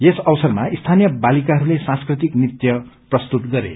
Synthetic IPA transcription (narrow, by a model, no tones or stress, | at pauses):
jesʌwʌsʌrmaist̪ʰanjʌbalikaɦʌɾulesãnskrit̪iknit̪jʌprʌst̪ut̪ɡʌɾḛ